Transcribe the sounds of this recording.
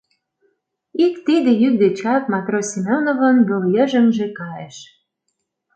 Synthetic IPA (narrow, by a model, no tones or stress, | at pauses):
ikt̪id̪ĕjyk̚d̪et͡ɕɑp̚mɑt̪rosʲimʲonovə̆nboljə̆ʒə̆mʒĕkɑjeʃ